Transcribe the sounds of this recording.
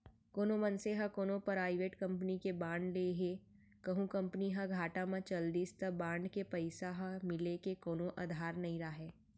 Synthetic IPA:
koːnõmɐnseɦɐkoːnõpɐɾaːɪʋeːʈkɐ̃mpənikebãːɳɖleːɦe | kɐɦũkɐ̃mpəniɦɐɡʱaːʈamãt͡ʃɐld̪iːst̪ɐbãːɳɖkepɐɪsaɦamɪlekekoːnõʔad̪ʱaːɾnɐɦĩɾaɦeː

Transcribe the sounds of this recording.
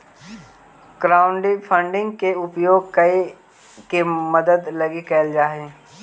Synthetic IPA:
kɾaːʊɳɖipʰə̃ɳɖɪ̃ŋɡkeʊpjoːɡ̚kɐi | keməd̪əd̪lɐɡikɛːld͡ʒaːɦeː

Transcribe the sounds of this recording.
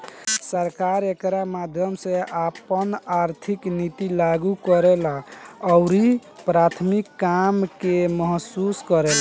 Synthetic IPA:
səɾkaɾekɾamad̪ʱjəmsẽapənaɾt̪ʰiknit̪ilaɡukəɾelaːʊɾipɾat̪ʰmikːamkemɔɦsuskəɾela

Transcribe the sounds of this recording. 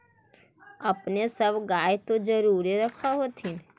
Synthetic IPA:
əpnesəbɡaːjt̪od͡ʒəɾuːɾiɾəkʰaɦot̪ʰin

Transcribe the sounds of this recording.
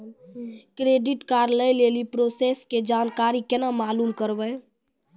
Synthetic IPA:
kɾeɖiʈkaɾləjlelipɾosesked͡ʒankaɾikenamalumkəɾbə

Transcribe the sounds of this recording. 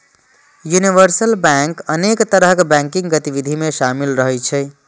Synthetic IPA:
juniʋəɾsəlbaŋkənekt̪əɾɦəkbɛ̃ŋkiŋɡət̪ibid̪ʱimeʃamilɾəɦɛjt͡ʃʰəj

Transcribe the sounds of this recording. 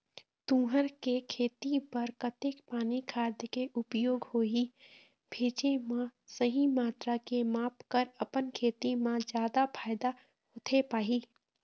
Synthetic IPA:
t̪ũːɦəɾkekʰeːt̪ipəɾkət̪eːkpaːnikʰaːd̪jəkeʔʊpjoːɡhoːi | bʱeːt͡ʃemãsəɦimaːt̪ɾakemaːpkəɾəpənkʰeːt̪imãd͡ʒjaːd̪apʰaːɪd̪a | hoːt̪ʰepaːɦiː

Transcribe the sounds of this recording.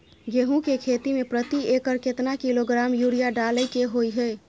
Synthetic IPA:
ɡeɦũkekʰet̪imepɾət̪iekəɾket̪nakiloɡɾamjuɾijaɖaləjkeɦojɦəj

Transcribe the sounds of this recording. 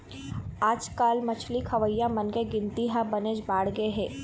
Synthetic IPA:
aːd͡ʒkaːlmɐt͡ʃʰlikʰɐʋəjːamɐnkeɡɪ̃nt̪iɦabɐneːd͡ʒbaːɽɡɐeɦɛː

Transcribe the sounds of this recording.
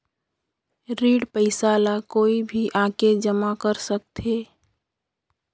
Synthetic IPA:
ɾiːɽpəɪsalakoːibʱiʔaːked͡ʒəmakəɾsək̚t̪ʰeː

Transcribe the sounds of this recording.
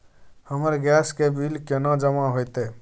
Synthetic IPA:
həməɾɡɛskebʱilkenãd͡ʒəmaɦojt̪e

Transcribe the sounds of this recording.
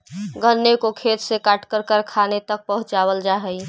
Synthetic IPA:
ɡənːekokʰet̪sekaʈkəɾkəɾkʰanet̪ək̚pəɦʊ̃t͡ʃaβəld͡ʒaɦəj

